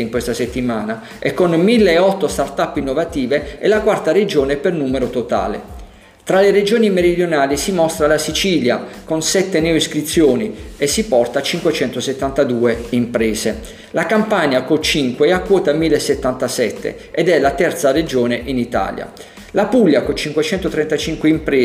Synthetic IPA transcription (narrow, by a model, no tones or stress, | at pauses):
iŋkwest̪aset̪ːimaːna | ɛkːonmilːeːɔt̪ːost̪art̪apːinːovat̪iːveɛlakwart̪ared͡ʒoːnepernuːmeɾot̪ot̪a̰ːlḛ | t̪ɾalered͡ʒoːnimeɾid̪jonaːlisimɔst̪ɾalasit͡ʃiljakonsɛt̪ːenɛoiskɾit̪sːjoːniesːipɔrt̪at͡ʃiŋkwet͡ʃɛnt̪oset̪ːant̪ad̪uːeimpɾɛːze | lakampaɲjakot͡ʃiŋkweakːwɔːt̪amilːesːet̪ːant̪asɛt̪ːḛ | ɛd̪ɛlat̪ɛrt̪sared͡ʒoːneʔinit̪a̰ːlja̰ | lapulːjakot͡ʃiŋkwet͡ʃɛnt̪ot̪ɾɛnt̪at͡ʃiŋkweimpɾeː